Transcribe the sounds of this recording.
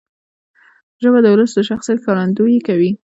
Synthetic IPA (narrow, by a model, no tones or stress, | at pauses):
ʒəbad̪əwləsd̪əʃaxsijat̪kɑɾand̪ujekawi